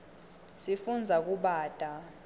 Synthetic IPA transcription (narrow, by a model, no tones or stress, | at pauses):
sifund͡zʱak̬uɓaːd̥ʼʱa